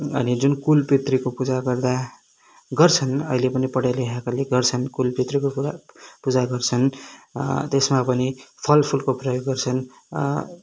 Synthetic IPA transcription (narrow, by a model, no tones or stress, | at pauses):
ʌnid͡zunkulpit̪rikopud͡zaɡʌrd̪a | ɡʌrt͡sʰʌnʌ̰ɦilepʌnipʌɽajleɦakaleɡʌrt͡sʰʌnkulpit̪rikoapud͡zaɡʌrt͡sʰʌn | t̪esmapʌnipʰʌlpʰulkoprʌjoɡːʌrt͡sʰʌn